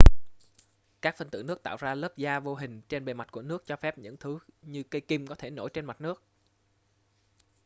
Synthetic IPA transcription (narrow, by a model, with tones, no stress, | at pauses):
kaː˦˥k̚fə˧nt̪ɨ̰˧˨nɨ˦˥ək̚t̪a̰ː˧˨wzaː˧ləː˦˥p̚zaː˧vo˧ɦï˨˩ŋ̟t͡ɕe˧nɓe˨˩ma˨˩t̚ku˧˩ənɨ˦˥ək̚t͡ɕɔ˧fɛ˦˥p̚ɲɨ̰˧˥ŋt̪ʰɨ˨˦ɲɨ˧kə˧jki˧mkɔ˨˦t̪ʰe˧˩no̰˧˩jt͡ɕe˧nma˨˩t̚nɨ˦˥ək̚